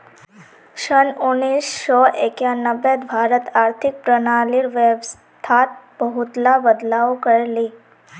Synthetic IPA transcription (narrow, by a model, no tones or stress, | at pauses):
ʃənunisːɔʔekjanəʋːed̪bʱaɾət̪aɾt̪ʰik̚pɾənaliɾʋebs | t̪ʰat̪̚bəɦut̪labəd̪laokəɾli